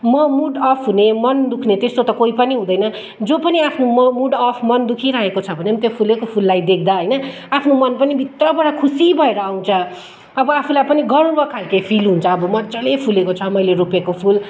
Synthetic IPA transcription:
mʌmuɖʌpʰɦunemʌnd̪ukʰnet̪est̪ot̪ʌkoipʌniɦũd̪ʌjnʌ | d͡zopʌniapʰnomʌmuɖʌpʰmʌnd̪ukʰiɾaɦekot͡sʰʌbʱʌnemt̪jopʰulekopʰulːajd̪ekʰd̪aɦʌjnʌ | apʰnomʌnpʌnibʱit̪rʌbʌɽakʰusibʱʌeɾʌaw̃t͡sʰʌ | ʌbʌapʰulajpʌniɡʌɽũbʌkʰalkepʰilɦunt͡sʰʌːbʌmʌt͡sʌɽepʰulekot͡sʰʌmʌjleɾupekopʰul

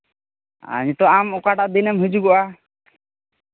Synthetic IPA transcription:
a̰ɲuʈ̪ɔamɔkaʈaʔd̪inɛmɦud͡ʒuɡɔʔa

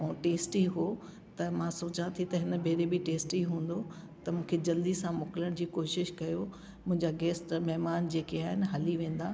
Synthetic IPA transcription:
ɛ̃ːʈeːsʈiːɦo | t̪ɐmãsoːt͡ɕãt̪ʰit̪ɐɦɪnə̆bʱeːɾebɪʈeːsʈiːɦũːn̆d̪o | t̪ɐmũːkʰed͡ʑɐld̪isãmʊkɪləɽ̃d͡ʑiːkoːʃɪʃkɐjo | mʊ̃ɦɪ̃ɲd͡ʑaɡɛːsʈmɛɦmaːnd͡ʑeːkeaːɦɪnɪ̆ɦɐliʋẽːn̆d̪aː

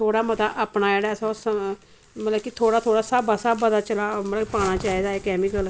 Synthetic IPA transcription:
t̪ʰoːɽaːmət̪aːʔəpnaːd͡ʒeːɽasãsə | mət̪ləbkɪt̪ʰoːɽaːt̪ʰoːɽaːsəbəsəbːəd̪aːt͡ʃəlaːməəpaːɽ̃aːt͡ʃaːiːd̪aːeːkɛːmɪkəl

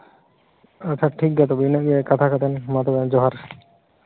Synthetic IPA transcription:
aɾt̪ʰaʈʰik̚ɡɛt̪obinaiekat̪ʰakat̪enmat̪obɛnd͡ʑɔɦaɾ

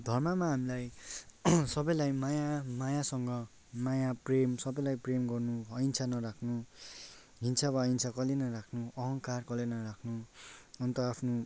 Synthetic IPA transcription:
d̪ʱʌrmamaɦamilaj | sʌbʌjlajmajamajasʌŋɡʌ | majapremsʌbʌjlajpremɡʌrnuʌjnt͡sʰanʌɾakʰnu | ɦint͡sʰaβaʌint͡sʰakʌlenʌɾakʰnuʌɦʌŋkarkʌlenʌɾakʰnuʌnt̪ʌapʰnu

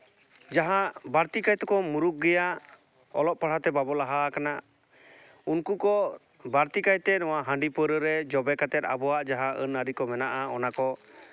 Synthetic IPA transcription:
d͡ʒaɦaʔbaɾt̪ikajt̪ɛkɔmuɾuk̚ɡɛjaʔ | ɔ̰lɔʔ̚paɽ̤at̪ɛbabɔlaɦakana | unkukɔ | baɾt̪ikajt̪ɛnɔwaɦə̃ɳɖipəɾəɾɛd͡ʒɔbɛkat̪ɛt̪̚a̰bɔwaʔd͡ʒaɦaʔənəɾikɔmɛnaʔaɔnakɔ

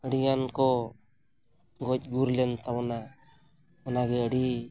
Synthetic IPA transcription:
əɽiŋankɔ | ɡɔc̚ˀɡuɾlɛnt̪awɔna | ɔnaɡɛəɽi

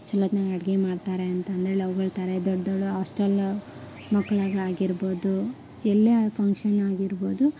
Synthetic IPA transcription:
t͡ʃɐlːɐd̪nɐɐɽɡemaːɖt̪aːɾeɐnt̪ɐːnd̪ɾeɭeɐʋɐɡɐɭt̪ɐɾed̪ɔɖd̪oɭuɦaːsʈɐl | mɐkːɐɭaːɡɐaːɡiɾbo̞ːd̪u | ɛlːɐpʰɐŋkʂɐnaːɡiɾboːd̪u

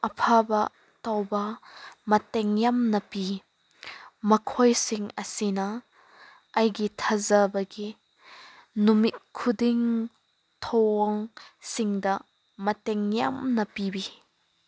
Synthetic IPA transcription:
ʔɐpʰabɐ | t̪ɐwbɐmɐt̪ɛŋjɐmnɐpi | mɐkʰɔjsiŋɐsinɐ | ʔɐjɡit̪ʰɐzɐbɐɡi | numit̪̚kʰːudiŋ | t̪ʰɔŋsiŋd̪ɐ | mɐtɛŋjɐ̰mnɐpibi

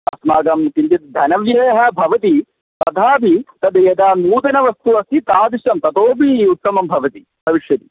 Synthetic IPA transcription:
ɐ̰smaːɡɐmkint̪it̪̚d̪ʱɐnɐʋjɐːɦɐbʱɐʋɐt̪i | t̪ɐt̪ʰaːbit̪ɐd̪ɐjɐd̪aːnuːt̪ɐnɐʋɐst̪uɐsit̪aːd̪iʃɐmt̪ɐt̪oːbiut̪ːɐmɐmbʱɐʋɐt̪i | bʱɐʋiʂjɐt̪i

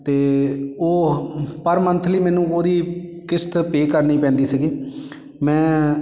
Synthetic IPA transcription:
t̪eːoːpəɾmənt̪ʰliːmɛːnũːoːd̪iːkɪst̪peːkəɾnĩːpɛ̃ːnd̪iːsɪɡiː | mɛ̃ː

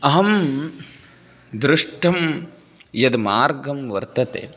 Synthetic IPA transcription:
ɐɦɐm | d̪ɾɪʂʈʰɐm | jɐd̪maːɾɡɐmʋɐɾt̪ɐt̪ḛː

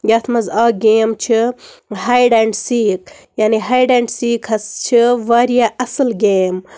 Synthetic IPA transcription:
jɐt̪ʰmɐzaːɡeːmt͡ʃʰihajɖɐɳɖsiːkjaːniɦajɖɐɳɖsiːkʰɐst͡ʃʰiʋaɾijaɐsɨlɡeːm

